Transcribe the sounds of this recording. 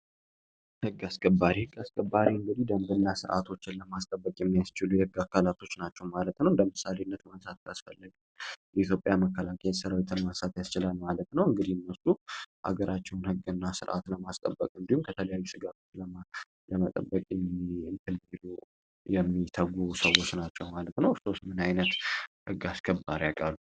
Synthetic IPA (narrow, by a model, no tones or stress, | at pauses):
hɨɡːaskʼəbːaɾihɨɡːaskəbːaɾiɨŋɡɨd̪ihd̪əmbɨnːasɨ̰ɾʔa̰t̪ʰo̞t͡ʃːɪnləmask̪ʼəbːəkʼjɛmːijast͡ʃɪlujɛhɨɡːakʰːalat̪ʰo̞t͡ʃːnat͡ʃːɛwmalət̪nəwɨnd̪əmɨsaleɨnːət̪mənsat̪̚kʰasfəlːəɡəjɛʔit̪̬ʰjo̞pʼjaməkːəlakʰəjsəɾawit̪ɨnmənsat̪jast͡ʃɪlalmalət̪nəwɨŋɡɨd̪ihnːəsuʔa̰ɡəɾʔat͡ʃːɛwnhɨɡːɨnːasɨɾʔa̰t̪ləmast̪ʼə̰bːəkʼɨnd̪ihumkʰət̪ʰələjajːusɨɡat̪ʰo̞t͡ʃːlə | ləmət̪ʼə̰bːəkʼːɨnt̪ʰɨlvid̪u | jɛmːit̪ʰəɡusəwo̞t͡ʃːnat͡ʃːɛwmalət̪nəwso̞st̪mɨnajnət̪hɨɡaskʰəbːaɾjakʼalːu